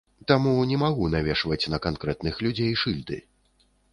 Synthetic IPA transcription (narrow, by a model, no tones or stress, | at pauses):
t̪amunʲɛmaɣunavʲɛʂvɐt͡sʲnɐkankɾɛt̪nɨxlʲud͡zʲejʂɨlʲd̪ɨ̰